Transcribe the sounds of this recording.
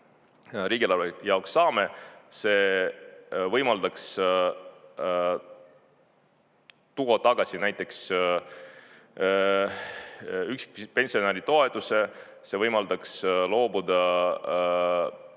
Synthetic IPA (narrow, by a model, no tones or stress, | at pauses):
ɾiːɡ̥ilɑlvejɑoksːɑːme̞se̞ː | vɤjmɑld̪̥ɑks | t̪uɡ̥ot̪ɑɡ̥ɑsʲinæjt̪ːˑe̞ks | yksi̥k̚pe̞nsio̞neɾit̪o̞e̞t̪ːˑuse̞ | se̞vɤjmɑld̪̥ɑkslo̞ːbud̪ɑ